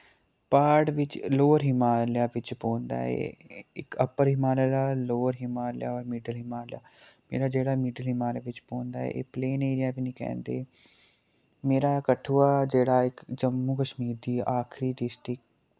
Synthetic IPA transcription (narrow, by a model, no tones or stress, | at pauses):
paːɾɖʋɪt͡ʃloːɾɦɪmaːljaːʋɪt͡ʃpõːnd̪a̰ːɛ̰ːɪkəpəɾɦɪmaːlaːɾaːloːɾɦɪmaːla̰ːɔːɾmɪɖəlɦɪmaːlja̰ːmḛːɾaːd͡ʒeːɽaːmɪɖəlɦɪmaːleʋɪt͡ʃpõːnd̪a̰ːɛ̰ːʔḛːpleːneːɾɪjaːʋinikɛ̰̃ːnd̪ḛː | meːɾaːkəʈʰuːaːd͡ʒeːɽaːɪkd͡ʒəmːuːkəʃmiːɾd̪iːaːkʰɾiːɖɪsʈɾɪk̚